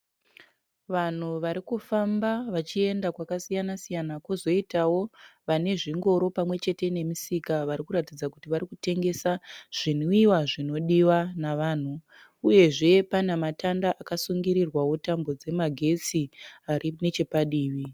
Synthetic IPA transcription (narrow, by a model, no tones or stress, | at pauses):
ʋan̤uʋaɾikufambaʋat͡ʃie̞ndakwakasijanasijanakozo̞itawo̞ʋane̞ʐiŋɡo̞ɾo̞pamwe̞t͡ʃe̞te̞ne̞misikaʋaɾikuɾatid͡zakutiʋaɾikute̞ŋɡe̞saʐ̥in̤uiwaʐino̞ɗiwanaʋaːn̤u | uje̞ʐe̞panematandaʔakasuŋɡiɾirwawotambo̞d͡ze̞maɡʱe̞t͡siarine̞t͡ʃe̞paɗiːʋi